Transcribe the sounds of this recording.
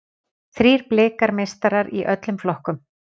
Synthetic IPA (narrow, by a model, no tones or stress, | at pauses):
θɾiːɾ̥plɪːkaɾmejst̪aɾaɾiʔœt̪lʏmflɔhkʏm